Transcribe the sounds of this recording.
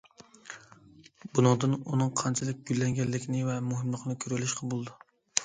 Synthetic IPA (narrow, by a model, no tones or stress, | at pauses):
bunɑŋd̪ɨnunɨŋqʰɑnt͡ʃʰɪlɪk̚ʲɡ̥ʲylːɛŋɡʲɛlːɪkʲʰnɪvɛmʊɦɪmlˠəqʰɨnɨkʲʰyɾælɪʃqʰɑbulˠd̪ʊ